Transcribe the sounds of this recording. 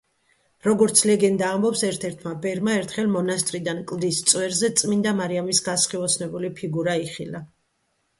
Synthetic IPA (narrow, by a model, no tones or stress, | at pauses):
ɾɔɡɔɾt̪sʰlɛɡɛnd̪aːmbɔpsɛɾt̪ʰɛɾt̪ʰmabɛɾmaɛɾt̪ʰχɛlˠmɔnast̪ʼɾid̪ankʼlˠd̪ist̪sʼwɛɾzɛt̪sʼmind̪amaɾiamisɡasχiɔsʰnɛbulipʰiɡuɾaiχḭla